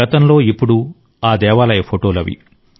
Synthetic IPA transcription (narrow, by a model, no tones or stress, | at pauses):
ɐt̪ɐnlo̞ːipːuɽu | aːd̪ɛːʋaːlɐjɐpʰoʈoːlɐʋḭ